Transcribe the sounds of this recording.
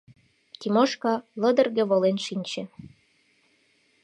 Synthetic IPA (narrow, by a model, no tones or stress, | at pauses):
t̪ʲimoʃkɑlə̆d̪ə̆rɣĕβolenʃinʲt͡ɕĕ